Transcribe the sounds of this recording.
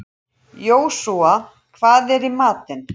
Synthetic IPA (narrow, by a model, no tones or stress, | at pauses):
joːwsua | kʰvaːðɛɾimaːt̪ɪn